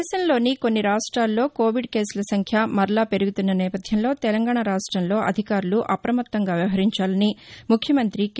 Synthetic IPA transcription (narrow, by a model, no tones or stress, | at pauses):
ʃɐmlo̞ːniko̞nːiɾaːʂʈɾaːlːo̞ːko̞ːʋiɖke̞ːsulɐsɐŋkʰjamɐɾlaːpe̞ɾuɡut̪unːɐnɛːpɐd̪ʱjɐmlo̞ːt̪ɛlɐŋɡaːɳɐɾaːʂʈɾɐmlo̞ːʔɐ̰d̪ʱikaːɾuluʔɐpɾɐmɐt̪ːɐŋɡaːʋjɐʋɐɦɐɾiɲt͡ʃaːlɐnimukʰjɐmɐnt̪ɾik